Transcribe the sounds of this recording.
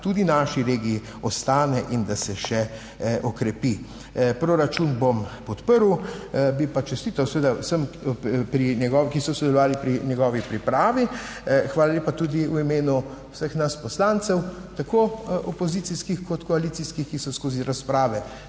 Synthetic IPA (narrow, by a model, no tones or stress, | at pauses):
t̪uːd̪inaːʃiɾeːɡiji | ɔst̪aːnɛʔind̪asɛʃɛ | ʔɔkɾɛpi | pɾoɾat͡ʃunbompɔt̪pəɾwbipat͡ʃɛst̪iːt̪awsɛʋeːd̪awsəmpɾinɛɡɔːkisɔsɔd̪ɛlɔʋaːlipɾinjɛɡɔːʋipɾipɾaːʋi | xʋaːlalʲjeːpat̪ud̪iwimeːnu | wsəxnaspɔslant̪sɛwt̪akoːɔpoziːt̪iskixkɔt̪kɔalit̪siskixkisɔskoːziɾaspɾaːʋɛ